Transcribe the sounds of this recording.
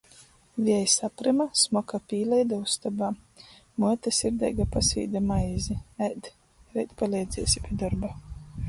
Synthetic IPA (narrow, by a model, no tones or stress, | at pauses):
vʲiɛjsapɾɨmasmɔkapʲiːlɛjd̪aust̪abaː | muɛt̪asiɾd̪ɛ̰jɡapasḭːd̪amajziæjd̪ | ɾɛjt̪palʲɛjd̪zʲɛɛsʲi̥pʲiɛd̪ɔɾba